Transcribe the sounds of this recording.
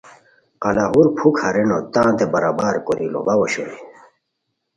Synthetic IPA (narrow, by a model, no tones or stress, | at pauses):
qɐlaɦuɾpʰukhɐɾenot̪ãːt̪ebɐɾabaːɾkoɾilo̰bawoɕo̰ɾi